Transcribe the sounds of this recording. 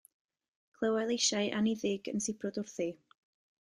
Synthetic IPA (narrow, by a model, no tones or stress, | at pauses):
kʰlˠəwalˠejʃaɨʔaniðɪɡə̰nsɪpʰrʊdʊrθi